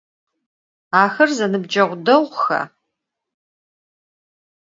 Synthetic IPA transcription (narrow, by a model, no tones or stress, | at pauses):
aːxɐrzɐnɨb̚d͡ʒɐʁʷʊdɐʁʷxɐ̰